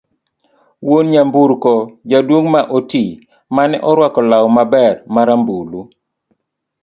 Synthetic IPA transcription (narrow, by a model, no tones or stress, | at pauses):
wonɲambuɾkɔd͡ʒadwoŋmaʔoti | manɛʔɔɾwakɔlawɔmabɛrmaɾambulu